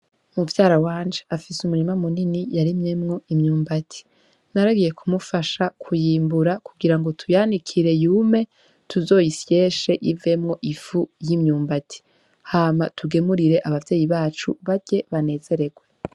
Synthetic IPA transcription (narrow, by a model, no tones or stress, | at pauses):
muvjaːɾawaːnd͡ʒeʔafisumuɾimamuninijaɾimŋe̞mŋo̞imɲuːmbatʰi̥ | naɾaɡije̞kumufaʃakʰujiːmbuɾakuɡiɾaŋɡo̞tʰujaːnikʰiɾe̞juːme̞ | tʰuzo̞ːjisje̞ːʃe̞ʔive̞mŋo̞ʔifujimɲuːmbatʰi̥ | haːmatuɡe̞muɾiɾe̞ʔaβavje̞ːjiβaːt͡ʃṵβaɟe̞βane̞ːze̞ɾe̞ɡwe